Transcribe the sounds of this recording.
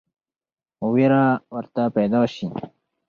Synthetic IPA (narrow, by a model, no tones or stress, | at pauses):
oweɾawəɾt̪apajd̪ɑːɕi